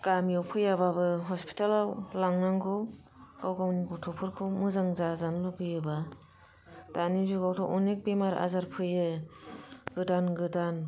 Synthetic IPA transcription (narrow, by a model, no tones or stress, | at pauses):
ɡ̥amjawpʰɯjababɯɦɔspʰi̥tʰalawlaŋnaŋɡɯw | ɡawɡawniɡɔwtʰɔpʰɯɾkʰɯwmɯzaŋzazanluɡɯjɯba | d̥anizuɡawtʰɔwʔɔnek̚bemaɾa̰zaɾpʰɯjɯ | ɡ̥ɯdanɡɯdan